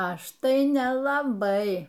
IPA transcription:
ˈɐʃ tɐɪ nʲɛlˠɐˈbɐɪ

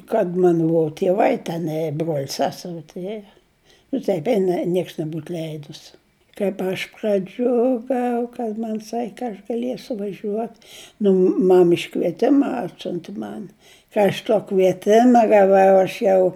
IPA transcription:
kɐt ˈmɐn ˈbʊɐ tʲiɛˈʋɐɪ tʲɛˈnɐɪ eː bruɔlʲ ˈsʲæːsʲɛrʲɪ tʊˈrʲeːjoː nʊ ˈtɐɪp ˈɛɪnɐ ˈnʲiɛks nʲɛˈbuːt ˈlʲɛɪdʊs kɐɪp ˈɐʃ prɐˈd͡ʒʲʊɡɐʊ kɐt ˈmɐnʲ ˈsɐkʲ kɐt ɐʃ ɡɐˈlʲiɛsʲʊ ʋɐˈʒʲuɔt nʊ ˈmɐm ɪʃkʋʲiɛˈtʲɪmɐ ˈɑːtʲsʲʊnʲtʲɪ ˈmɐn ˈkɐ ɐʃ tuɔ kʋʲiɛˈtʲɪmɐ ɡɐˈʋɐʊ ɐʃ ˈjɛʊ

